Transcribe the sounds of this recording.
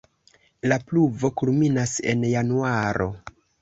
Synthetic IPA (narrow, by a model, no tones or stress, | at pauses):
lapluvo̞kulminase̞̰njanuaɾo̞̰